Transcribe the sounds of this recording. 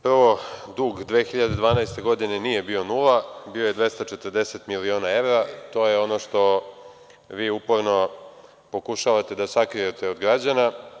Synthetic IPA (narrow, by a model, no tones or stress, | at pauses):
pr̩ʋo̞d̪uːɡd̪ʋeːxiʎad̪e̞d̪ʋaːnajst̪e̞ɡo̞d̪ine̞nijebio̞nuːlabio̞jed̪ʋe̞st̪at͡ʃe̞t̪ərd̪e̞se̞t̪milioːnae̞ʋɾat̪o̞ːje̞o̞noʃt̪o̞ | ʋiːupo̞ɾno̞ | po̞kuʃaʋat̪e̞d̪asakɾijet̪ʰe̞o̞d̪ɡɾad͡ʑana